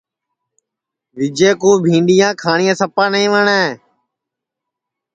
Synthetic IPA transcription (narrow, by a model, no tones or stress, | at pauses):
ʋɪd͡ʒeːkoːbʱĩːɳɖɪjãːkʰaːɳɪjãːsəpãːnəĩːʋəɳẽː